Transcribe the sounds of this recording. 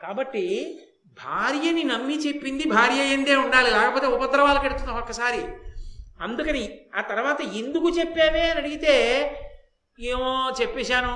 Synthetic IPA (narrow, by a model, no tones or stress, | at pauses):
kaːbɐʈːi | bʱaːɾjɐninɐmːit͡ʃe̞pːind̪ibʱaːɾjɐjend̪eːuɳɖaːlilɛːkɐpo̞ːt̪eːupɐd̪ɾɐʋaːlɐkɐɽut̪unːaːmɔkːɐsaːɾi | ɐnd̪ukɐniaːt̪ɐɾʋaːt̪ɐend̪ukut͡ʃepːeːʋeːɐnɐɽiɡit̪eː | eːʋoːt͡ʃepːeːʃaːnu